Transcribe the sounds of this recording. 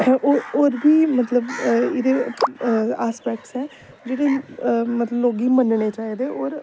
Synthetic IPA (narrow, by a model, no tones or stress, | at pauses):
ooːɾbiːmət̪ləbɪd̪eː | aːspɛːk̚ʈsɛː | d͡ʒeːɽeːmət̪ləbloːɡiːmənɳeːt͡ʃaːiːd̪eːʔɔːɾ